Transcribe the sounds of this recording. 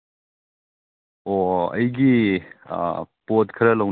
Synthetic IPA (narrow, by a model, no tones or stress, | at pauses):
oɐ̰jɡḭ | pot̚kʰɐɾɐlɐw